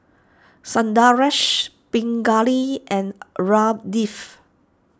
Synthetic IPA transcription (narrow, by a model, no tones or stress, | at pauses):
sãndaɹɛʃ | pĩŋɡaliʔɛ̃nɹab̚dif